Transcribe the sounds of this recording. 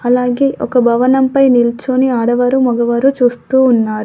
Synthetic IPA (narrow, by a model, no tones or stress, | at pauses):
ɐlaːɡe̞ːʔɔkɐbʱɐʋɐnɐmpɐjnilt͡ʃoniaːɽɐʋɐɾumɔɡɐʋɐɾut͡ʃuːst̪uːnːaːɾu